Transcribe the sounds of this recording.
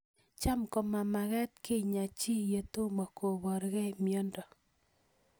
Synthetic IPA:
t͡ʃa˦mkɔ˨ma˨ma˨ɣɛ˦t̪̚kʰe˦˨ɲa˨t͡ʃi˦je˨to˦ma˨kʰo˨βɔ˨ɾɣɛ˦˨mjɔ˦ndɔ˨

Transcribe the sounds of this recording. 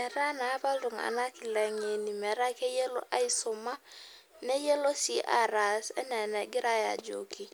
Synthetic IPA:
mɛ˨ɾa˦na˨˦ba˦dʊ˨ŋa̰˨na˦kɪ˨lɛ˨ŋe˨ni˨mɛ˨ɾa˦ke˦je˦lo̰˦ʔa˦i˦sʊ˨ma˦ | ne˦je˦lo˦si˦ʔa˨ɾa˨sɛ̰˦nɛ˨nɛ˨ɡɪ˦ɾa˦ja̰˨d͡ʒo̰˨ki˦

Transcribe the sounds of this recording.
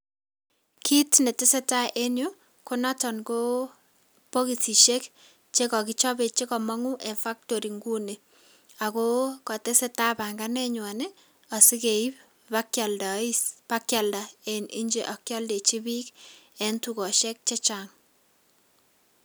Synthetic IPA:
kʰi˦tne˨tɪ˦se˦ta˦ʔe˦njo˦ | ko˦na˦tɔ˨nko˦ | po˦ki˨si˨ʃe˦k | t͡ʃe˦kɔ˨ki˦t͡ʃɔ˦be˨t͡ʃe˦kɔ˨mɔ˦ŋu˦ʔe˨fa˦k̚to˨ɾi˨ŋɡu˦ne˨ | a˨ko˦kɔ˨te˦se˦ta˦ba˨ŋɡa˦nɛ˦ɲwa˨ne˦ | ɔ˨si˦ke˨i˦p | pakaldpa˦kja˨lda˨e˨ni˦ɲd͡ʒe˨ʔɔ˨kjɔ˦lde˨t͡ʃi˦bi˦kɛ˨ntu˨kɔ˨ʃɛ˦k̚t͡ʃe˦t͡ʃaŋ

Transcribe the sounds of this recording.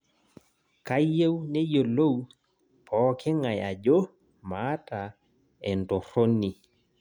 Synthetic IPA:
ka˦je˦wne˦jo˨lo˦w | pʰɔː˨˦kɪ˦ŋa˨ja˨d͡ʒo˦ | ma˦ta˨ | ɛ˨nto˨ɾo˦ni˨

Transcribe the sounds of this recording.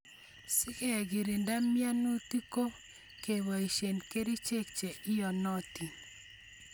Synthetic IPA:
sɪ˦ke˦˨ɡi˨ɾi˨nda˦mja˦nu˦ti˦ko˦ | ke˨wa˨i˨ʃe˨nke˦ɾi˦t͡ʃe˦k̚t͡ʃe˨ʔɪ˦jɔ˨nɔ˦ti˨

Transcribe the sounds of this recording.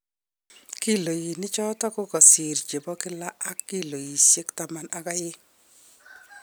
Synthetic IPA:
ki˦lo˨ji˨nɪ˦t͡ʃɔ˦tɔ˦kʊ˦kɔ˨si˨ɾd͡ʒe˨bɔ˦kɪ˦la˦a˦kːi˦lo˨ji˨se˦kta˨ma˦na˨ka˦jɪ˦

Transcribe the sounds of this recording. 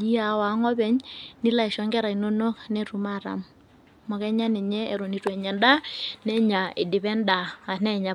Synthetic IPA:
i˦a˨wa˨˦ŋɔ˦bɛ˦ɲni˦la˦i˨ʃɔ˨˦ŋɡɛ˦ɾa˨i˨no˦no˦knɛ˦tu˨ma˦˨ɾa̰˨m | mɔ˨kɛ˦ɲa˦ni˨ɲɛː˦˨ɾo˨ni˨twɛ˨ɲɛ˨nda˦nɛ˦ɲa˨ɪ˨di˨pɛ˦nda˨a˨nɛ˦˨ɲa˨

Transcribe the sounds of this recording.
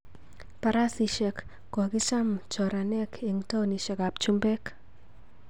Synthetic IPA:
pa˨ɾa˦siʃɛk | kɔ˨ki˦t͡ʃa˦mt͡ʃɔ˨ɾa˨nɛkʰe˨ŋto˦ni˨ʃɛ˨ka˨p̚t͡ʃu˦mbɛ˦k

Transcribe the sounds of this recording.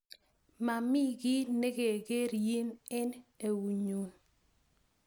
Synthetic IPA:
ma˨mɪ˦ɡɪ˦ne˦ɡe˨ɡe˦ɾje˦nɛ˦ne˨wu˨ɲo˨

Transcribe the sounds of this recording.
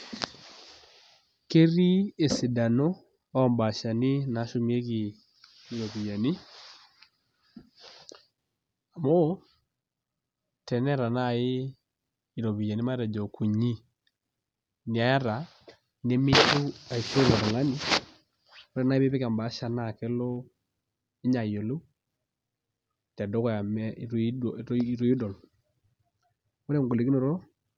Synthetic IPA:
ke˦ɾi˦e˨si˨da˨no˦ | ɔ˦mba˨ʃa˨ni˦na˨˦ʃo˦mi˦e˦ɣiː˨ | ɾɔ˨βi˨ja˨ni˦ | a˨mo˦ | tɛ˨nɛ˦ɾa˨na˦˨ɪː˦˨ | ɾɔ˨βi˨ja˨ni˦ma˦ɾa˨d͡ʒɔ˨kʰu˨ɲi˦ | ni˨a˨˦a˦ɾa˨ | ne˦mɪ˦tu˦a˨t͡ʃo˦la˨ɾa˨ŋa˦nɪ˦ | ɾɛ˦˨na˦ɪ˦be˦pɛ˦ka˨mba˨˦ʃa˨na˦˨kɛ˦lɔ˦ | ɪ˦ɲa˨jo˨lo˦ | ta˨dɔ˦kɔ˦ja˨m˦˨˦ɾo˨˦ji˦dɔ˨l | o˦ɾɛ˦ŋ˨ɡo˨le˨ki˦no˨ɾo˦

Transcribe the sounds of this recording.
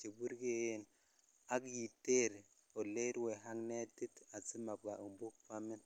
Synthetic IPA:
t͡ʃe˨bu˦ɾɡe˦˨n | a˦kji˨te˦ɾ | o˨le˦ɾwe˨ɦa˦ŋne˦ti˦ta˨si˦ma˨b̚ɡa˨ʔu˨mbu˦k̚fa˦mi˦n

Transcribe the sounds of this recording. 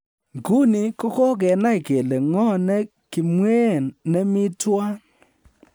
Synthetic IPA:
ŋɡu˦ni˨ko˦kɔ˦k̬ɛ˨na˦˨ke˨le˨ŋɔ˦nɛ˦ | kɪ˨mwe˦˨nːɛ˦mɪ˦twa˦

